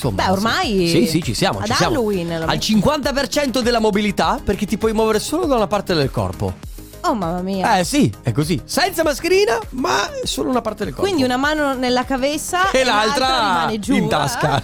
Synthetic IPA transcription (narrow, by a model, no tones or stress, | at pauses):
nso̰mːbɛormajsisit͡ʃisjaːmo̰t͡ʃt͡ʃsjaːlmːowinalt͡ʃiŋkwant̪apert͡ʃɛnt̪od̪elːamobilit̪aperk̟et̪ːipwɔjmwɔːveɾesoːlod̪aunapart̪ed̪elkɔ̰rpo̰ | omamːamiːaɛsiɛkːozisɛnt̪samaskeɾiːnamasoːlounapaɾrt̪ed̪elkɔkwind̪iunamaːnonelːakavesːaelːalt̪ɾamned͡ʒint̪a̰ska